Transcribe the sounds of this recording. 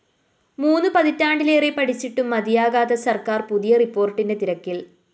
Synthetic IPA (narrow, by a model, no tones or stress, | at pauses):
muːnːupɐðitːaːɳɖileːrepɐʈʰit͡ɕːiʈːumːɐd̪ijaːɣaːðɐsɐrkaːrpuðijɐripːo̞ːrʈːinde̞t̪iɾɐkːil